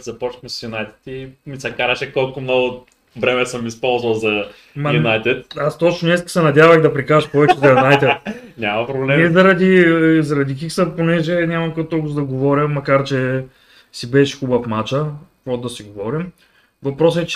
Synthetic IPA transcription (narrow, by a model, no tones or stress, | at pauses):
zɐpɔt͡ʃnmɛssjʊnajt̪ɛ̥t̪imisɛkaɾɐʃɛkɔlˠkʊmnɔɡʊ | vɾɛmɛsəmispɔlˠzvɐlˠzɐ | mɐjʊnajt̪ɛt̪ast̪ot͡ʃnʊnɛskə̥sɛnɐd̪ʲavɐɣd̪ɐpɾikaɾɐʃpɔvɛt͡ʃt͡ʃɛzɐjunajt̪ɛt̪nʲamɐpɾoblɛmnɛzɐɾɐd̪izɐɾɐd̪ik̬iksəponɛʒɛnʲamɐmkot̪ːokʊzd̪ɐɡovɔɾʲjɐmːɐkaɾt͡ʃɛ | sibɛʃxubɐfmat͡ʃəpɾɔd̪ɐsiɡovɔɾim | vɐpɾɔs̬ɛt͡ʃ